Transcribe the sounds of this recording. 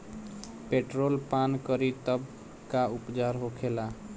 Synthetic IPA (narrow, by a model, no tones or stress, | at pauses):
peʈɾolpankəɾit̪əb | kaupd͡ʒaɾɦokʰela